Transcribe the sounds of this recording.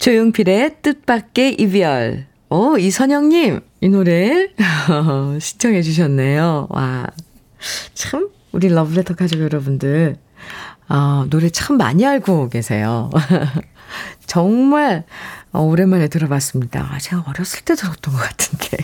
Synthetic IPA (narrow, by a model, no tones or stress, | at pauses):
t͡ɕojoŋpʰiɾe̞t͈ɯt̚p͈ak̚k͈e̞ʔibiʌɭ | ʌisʰʌɲʌŋɲim | inoɾe | ʌɕʰint͡ɕʰʌŋɦe̞d͡ʑuɕ̬ʰʌnːe̞jowa̰ | t͡ɕʰɯm | uɾilʌbɯɭetʰʌkʰad͡ʑʌɡjʌɾʌbundɯɭ | ʌnoɾet͡ɕʰaɯmːa̰ɲiaɭɡoke̞sʰe̞̰jo̰ | t͡ɕʌŋmaɭʌoɾe̞nmaɾe̞tɯɾʌbas͈ɯmɲida̰a̰ɕʰiɡaʌɾjʌs͈ɯɭt͈e̞dɯɾʌt͈ʌnɡʌk͈ḁtʰɯ̥nde